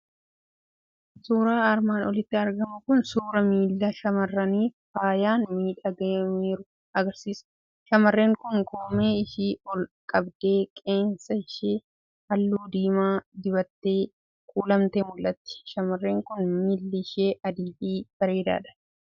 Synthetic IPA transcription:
suːɾaːɐɾmaːnɔlɪt̪ːɪɐɾɡɐmʊkʊnsuːɾɐmiːlːɐʃɐmɐrːɐniːffaːjaːnmiːᶑɐɡemiːɾʊ | ɐɡɐɾsiːs | ʃɐmɐrːeːŋkʊŋkoːmeːɪʃiːɔlkʼɐbd̪e̞ːkʼe̞ːnsɐɪʃeː | ɐlːuːd̪iːmaːd̪ɪbɐt̪ːeː | kʼuːlɐmt̪eːmʊlːɐt̪ːɪ̥ʃɐmɐrːe̞ːŋkʊnmilːɪʃeːʔɐd̪iːfiːb̥ɐɾe̞ːd̪a̰ːᶑɐ̥

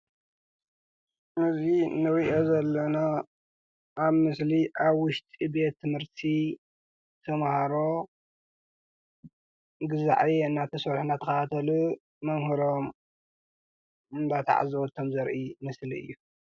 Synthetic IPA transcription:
ɨzinɨɾiʔo̞zɐlːɐna | ʔaβmɨsliʔaβwʊʃt̪ʼibe̞t̪ʰːɨmhɨɾt̪ʰi | t̪ʰɐmhaɾo̞ | ɡɨza̰ʕiɨnːat̪ʰɐsɐɾħnat̪ʰɐxɐt̪at̪ʰɐlu | mɐmhɨɾom | ɨnd̪at̪ʰa̰ʕa̰zɐwɔt̪ʰomzɐɾʔimɨsliɨ̰jːu

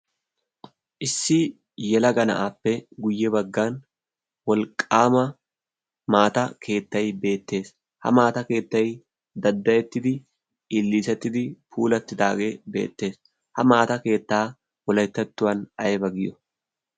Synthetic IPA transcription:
ʔɪsːɪ | jɛlɐɡɐnɐ̰ʔaːpːɛɡʊjːɛbɐɡːaːn | wɔlkʼːaːmɐ | maːt̪ɐkʰe̞ːt̪ːɐjbe̞ːt̪ːe̞ːs | hɐ̰maːt̪ɐke̞ːt̪ːɐj | d̪ɐd̪ːɐjɛt̪ːɪd̪ɪ | ɪlːiːsɛt̪ːɪd̪ɪpʰuːlɐt̪ːɪd̪aːɡe̞ːbḛːt̪ːe̞ːs | hɐmaːt̪ɐke̞ːt̪ːaː | wɔlɐjt̪ːɐt̪ːʊwɐnɐjbɐɡɪjɔ

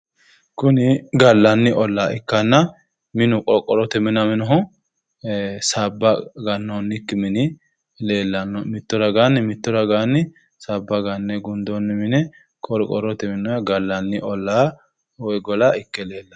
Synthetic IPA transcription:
kʊnɪɡɐlːɐnːɪʔɔlːaːɪkːɐnːɐ | mɪnʊkʼɔɾkʼːɔɾɔt̪ɛmɪnɐmɪnɔɦʊ | sabːɐɡɐnːonːɪkːɪmɪnɪ | leːlːɐnːɔmɪt̪ːɔɾɐɡanːɪmɪt̪ːɔɾɐɡanːɪ | sabːɐɡɐnːɛɡʊnd̪onːɛmɪnɛ | kʼɔɾkʼɔɾɔt̪ɛmɪnɔjɐɡɐlːɐnːɪʔɔlːaː | wɔjɡɔlaɪkːɛleːlːɐ

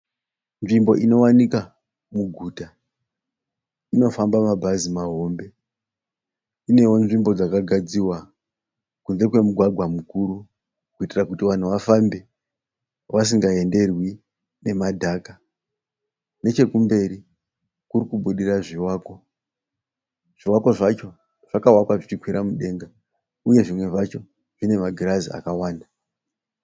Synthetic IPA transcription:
nʐimbo̞̰ʔino̞wanika | muɡʱuːta | ino̞fambamabʱazimaɦo̞mbe̞ | ine̞wo̞nʐimbo̞d͡zakaɡʱad͡ziwa | kunze̞kwe̞muɡʱwaɡʱwamukuɾu | kuitirakutiʋan̤uʋafambe̞ | ʋas̬iŋɡae̞nde̞rwi | ne̞madʱaka | ne̞t͡ʃe̞kumbe̞ɾi | kuɾikuɓuɗiraʐiwaːko | ʐ̥iwako̞ʐat͡ʃo̞ | ʐ̥akawakwaʐit͡ʃikwiɾamuɗe̞ŋɡa | uje̞ʐimwe̞ʐat͡ʃo̞ | ʐ̥ine̞maɡʱiɾazḭa̰kawaːnda

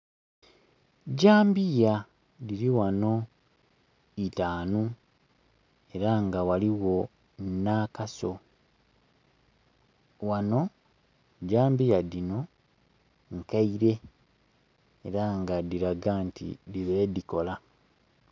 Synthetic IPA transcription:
ɟaːmbija | diɾiwano̞ | itaːnu | e̞ɾaŋɡawaliwo̞ | nakaso | wano̞ | ɟaːmbijadino̞ | ŋkaiɾe̞ | ɾaŋɡadiɾaɡantḭdiβediko̞la

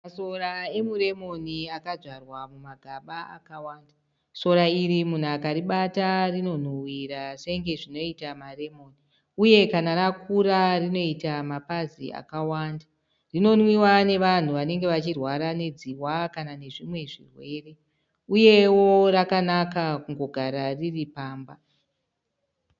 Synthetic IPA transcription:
masoɾae̞muɾe̞mo̞niakad͡zwarwamumaɡʱaɓaa̰kawaːnda | so̞ɾaiɾimun̤uakaɾiɓatarino̞n̤owiɾaseŋɡe̞ʐino̞itamare̞mo̞ːni | uje̞kanaɾakuɾarino̞itamapazḭa̰kawaːnda | rino̞nwiwane̞ʋan̤uʋane̞ŋɡe̞ʋat͡ʃirwaɾane̞d͡ziwakanane̞ʐimwe̞ʐḭrwe̞ːre̞ | uje̞wo̞rakanakakuŋɡo̞ɡʱaɾariripaːmba

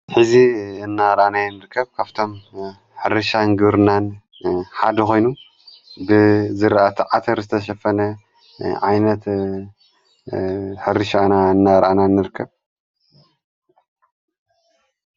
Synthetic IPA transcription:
ħɨziɨnːaɾanajnɨɾkʰːɐβkʰaβt̪ʰo̞m | ħɨɾɨʃanɡɨβɾɨnan | ħad̪ɐxo̞jnu | bɨzɨɾʔat̪ʰɨʕat̪ʰɐɾzɨt̪ʰɐʃɐfɐnɐ | ʕajnɐt̪ | ħɨɾɨʃanaɨnːaɾʔananːɨɾɨkʰːɐβ

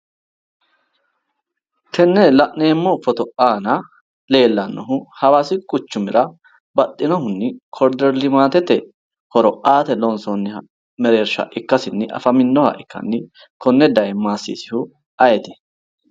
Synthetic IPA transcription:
t̪ɛnːɛlɐʔneːmːɔfɔt̪ɔaːnɐ | le̞ːlːɐnːɔɦʊhɐwaːsɪkʼʊt͡ʃːʊmɪɾɐ | bɐt̪ʼːɪnɔhʊnːɪkʰɔɾd̪ɛɾlɪmaːt̪ɛt̪ːɛ | hɔɾɔʔaːt̪ɛlɔnsɔnːɪhɐ | mɛɾe̞ːɾʃɐ̰ʔɪkːɐsɪnːɪʔɐ̰fɐmɪnːɔhɐ̰ʔɪkːɐ̰nːɪ | kʰɔnːɛd̪ɐjmaːsːḭːsɪhʊ | ɐjɛt̪ɪ̥

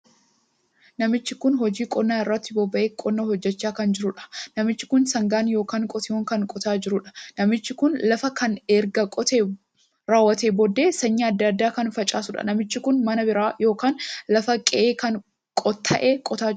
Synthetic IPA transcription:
nɐmɪt͡ʃːɪkʊnɦɔd͡ʒiːkʼɔnːaːɪrːɐt̪ːɪbɔbːɐʔeːkʼɔnːɐhɔd͡ʒːɛt͡ʃːaːkɐnd͡ʒɪɾʊᶑɐ̥nɐmɪt͡ʃːɪ̥kʊnsɐŋɡaːnjo̞ːkaːŋkʼɔt̪ɪjoːŋkɐŋkʼɔt̪aːd͡ʒɪɾʊᶑɐ̥nɐmɪt͡ʃːɪkʊnlɐfɐkɐnɛɾɡɐkʼɔt̪e | ɾaːwːɐt̪eːbɔd̪ːeːsɐɲːɪɐd̪ːɐːd̪ːaːkɐnfɐt͡ʃʼaːsʊᶑɐ̰nɐmɪt͡ʃːɪkʊnmɐnɐbɪɾaːjo̞ːkaːnlɐfɐkʼɛʔeːkɐn | kʼɔt̪ʰːɐ̰ʔeːkʼɔt̪aː

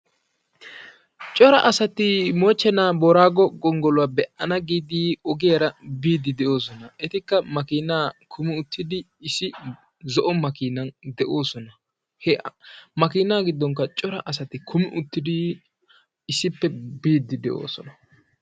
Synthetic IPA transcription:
t͡ʃʼɔɾɐʔɐsɐt̪ɪmoːt͡ʃːɛnaːbɔɾaːɡɔɡɔŋɡɔlʊwaːbɛʔɐnɐɡiːd̪iːɔɡɪjɐɾɐbiːd̪ːɪd̪ɛʔo̞ːs̬ɔnɐɛt̪ɪkːɐmɐkiːnːaːkʰʊmɪʊt̪ʰːɪd̪ɪːsɪ | zɔʔɔmɐkiːnɐnd̪ɛʔo̞ːsɔnɐ | hɛmɐkiːnaːɡɪd̪ːɔŋk̬ːɐt͡ʃʼɔɾɐʔɐs̬ɐt̪ɪkʰʊmɪʔʊt̪ːɪd̪ɪ | ɪsːɪpːɛbiːd̪ːɪd̪ɛʔo̰ːsɔnɐ

